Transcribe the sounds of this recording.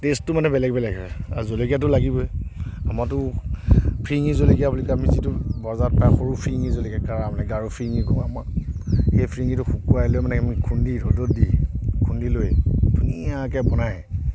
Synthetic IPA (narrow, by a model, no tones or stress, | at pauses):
testʊmanɛbɛlɛɡ̚bɛlɛɡɛazolekjatʊlaɡibɔjamatʊ | pʰɹiŋizolekijabulikamizitubɔzat̚paxɔɹupʰɹiŋizolikakaɹamanɛɡaɹupʰɹiŋikɔŋamaxejpʰɹiŋɡitʊxukuajlojmanɛamikʰundidʱɔdot̚dikʰundilojdʱunijakɛbɔnajɛ